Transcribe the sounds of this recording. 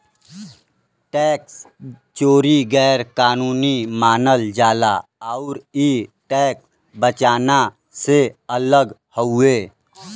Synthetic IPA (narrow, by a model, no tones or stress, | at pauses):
ʈɛːks | t͡ʃoːɾiɡɛːɾkaːnuːnimaːnəld͡ʒaːlaaʊɾiʈɛːks | bət͡ʃaːna | seələɡhəʊeː